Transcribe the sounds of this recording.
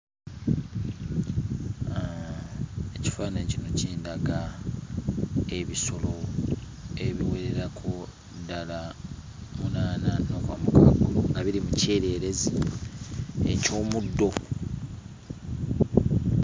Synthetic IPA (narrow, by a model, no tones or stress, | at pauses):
eci̥faːnacino̞ciːndaɡa | e̞βiso̞lo̞ | e̞βiweɾeɾakʰo | dala | munaːnano̞kwaːmukaɡuluŋɡaβiɾimuce̞ːɾe̞ːɾe̞zi | ḛco̞ːmudːo̞